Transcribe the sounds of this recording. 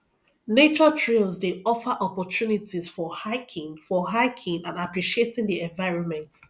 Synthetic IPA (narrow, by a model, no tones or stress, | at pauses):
net͡ʃətʰɹilzdeɔfəʔɔpɔtunitiz̥fɔhaɪkʰɪ̃ŋfɔɦaɪkʰĩnãnapɹiʃietĩŋdiɛ̃ɱvaɪɹɔ̃nmɛ̃nt